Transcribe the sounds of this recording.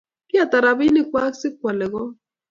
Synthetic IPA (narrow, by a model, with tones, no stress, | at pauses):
kɪ˦a˨t̪a˨ɾa˨bi˦nɪ˦kwa˦ksɪ˦kwa˨lɛ˨ɣɔ˦